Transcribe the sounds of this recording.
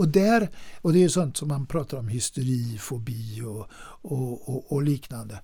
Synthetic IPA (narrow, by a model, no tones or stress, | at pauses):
ɔd̪æɾɔd̪ɛæɾjʉsɔnt̪sɔmːanpʰɾɑːt̪aɾɔmhɪst̪ʊɾiːfɔbiːɔ | ɔːliːknand̪ə